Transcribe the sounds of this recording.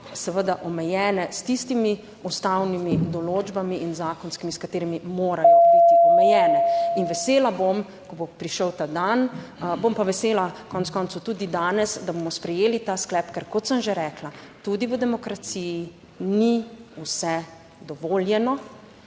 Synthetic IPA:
sɛʋəd̪aʔɔmɛjɛːnɛst̪ist̪imi | ust̪awnimid̪ɔloːd͡ʒbamiinzaːkɔnskimiskat̪eːɾimimoːɾalibtbit̪iɔmɛjɛːnɛinʋɛseːlabom | kɔbopɾiʃəwt̪ad̪anbompaʋɛseːlakɔnɛtskɔːnt̪sut̪uːd̪id̪aːnɛsd̪abomɔspɾɛjeːlit̪aːsklɛːpkɛɾkɔt̪səmʒeɾɛklat̪ud̪iʋəd̪ɛmɔkɾat̪siji | niusɛ | d̪ɔʋoljɛnɔ

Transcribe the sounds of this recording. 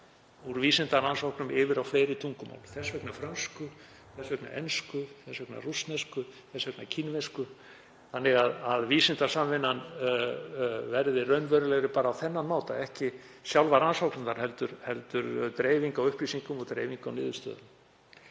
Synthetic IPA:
uɾviːsɪnt̪aɾansawknʏmɪːvɪɾawfleːjɾɪt̪ʰuŋkʏma̰wlθɛsvɛknafɾœnskʏ | θɛsvɛkna̰ʔɛ̰nskʏθɛsvɛkna̰rusnɛskʏθɛsvɛknacʰinvɛskʏ | θanːɪɣaðaðviːsɪnt̪ḁsamvɪnːan | vɛɾðɪrœɥnvœɾʏlɛɣɾɪpaːɾaːwθɛnːanmaːwt̪a̰ɛhcɪ | sjawlvaɾansawknʏmnaɾ̥hɛlt̪ʏɾ̥hɛlt̪ʏɾt̪ɾeːjviŋkawʏhpɾisiŋkʏmɔɣt̪ɾeːjviŋkawnɪːðʏst̪œ̰ːðʏm

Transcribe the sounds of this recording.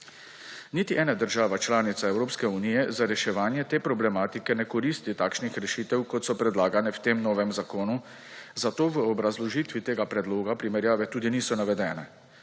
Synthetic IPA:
nit̪iʔɛːnad̪əɾʒaːʋat͡ʃlaːnit̪saɛwɾoːpskɛuniːjɛzaɾɛʃɛʋaːnjɛt̪eːpɾɔblɛmaːt̪ikɛnɛkɔɾiːst̪it̪aːkʃnixɾɛʃiːt̪ɛwkɔt̪sɔpɾɛd̪laːɡanɛwt̪emnɔːʋɛmzakoːnu | zat̪oːʋəɔbɾazlɔʒit̪ʋit̪eːɡapɾɛd̪loːɡapɾimɛɾjaːʋɛt̪uːd̪iniːsɔnaʋɛd̪ɛːnɛ

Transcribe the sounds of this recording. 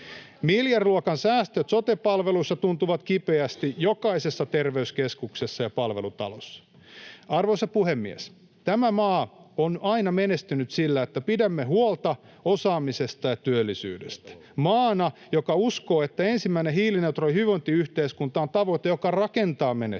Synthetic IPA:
miljɑrluɑkɑnsæːst̪øt̪sot̪epɑlʋelusːɑt̪unt̪uʋɑt̪kipeæst̪ijokɑisesːɑt̪erʋeyskeskuksesːɑjɑpɑlʋelut̪ɑ̰losːɑ̥ | ɑrʋoisɑpuhemːḭḛs | t̪æmæmɑːonɑinɑmenest̪ynyt̪silːæet̪ːæpidæmːehuolt̪ɑ | osɑːmisest̪ɑjɑt̪yølːisy̰ːdḛst̪æ̥ | mɑːnɑjokɑuskoːet̪ːæensimːæineɦiːlinet̪rojhyʋont̪iyht̪eːskunt̪ɑont̪ɑʋoit̪ejokɑrɑkent̪ɑːmene

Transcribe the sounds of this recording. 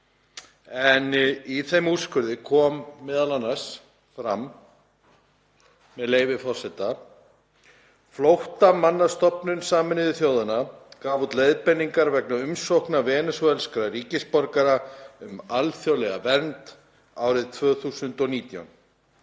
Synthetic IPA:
ɛniθejmuskʏɾðɪkʰɔːmːɛːðalanːas | fɾa̰m | ɛðleːjvɪfɔ̥sɛt̪a | flowht̪amanːast̪ɔpnʏnsaːmɪnɪðʏθjoːwðɪnakaːvut̪lejðpɛnːiŋkaɾvɛknaʏmsowhknavɛːnʏsvɛlskɾariːcɪspɔɾkaɾaʏmalθjowlɛɣa̰vɛnt̪ | aːwɾɪðt̪ʰvœːθuːsʏnt̪ɔniːt̪ja̰wn

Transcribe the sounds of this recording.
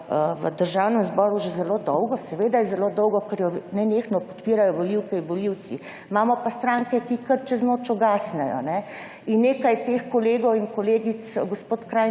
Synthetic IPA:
əʋə̰d̪əɾʒawnɛmzbɔːɾuʒɛzɛloːd̪ɔwɡɔsɛʋeːd̪ajɛzɛloːd̪ɔwɡɔkɛɾjɔnɛneːxnɔpɔ̥t̪piːɾajɔʋoliwkɛiʋɔliw̪si | maːmɔpast̪ɾaːŋkɛkikəɾt͡ʃɛznoːt͡ʃɔɡaːsnɛjɔ̰nɛ | inːeːkajt̪eːxkoleːɡɔwiŋkɔleːɡisɡospoːt̪kɾaːj

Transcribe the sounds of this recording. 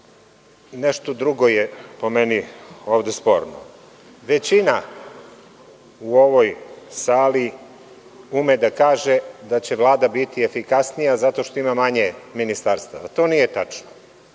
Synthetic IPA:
neʃt̪od̪ɾuɡo̞jepo̞menioːʋd̪espo̞̰ɾno̰ | ʋet͡ɕina | uoʋo̞jsaːli | umed̪akaːʒed̪at͡ɕeʋlˠaːd̪abit̪iefikasnijazat̪o̞ʃt̪o̞imamaɲeminist̪aɾst̪aʋat̪o̞ːnijet̪at͡ʂno

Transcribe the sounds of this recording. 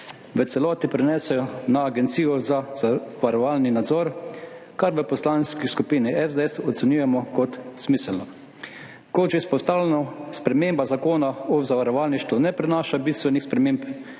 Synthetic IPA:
ʋət̪sɛlɔːt̪ipɾɛnɛsɛjɔnaːɡɛnt̪siːjɔzazaʋaɾɔʋalninad̪zɔɾ | kaɾʋəpɔslanskiskupiːniʔɛzd̪ɛɛsɔt̪sɛnjujɛmɔkɔt̪z̥miːsɛlnɔ | koʒɛspɔst̪awlɛnɔspɾɛmeːmbazakoːnaɔzaʋaɾɔʋalniʃt̪ʋunɛpɾɛnaːʃabist̪ʋɛnixspɾɛmẽmp

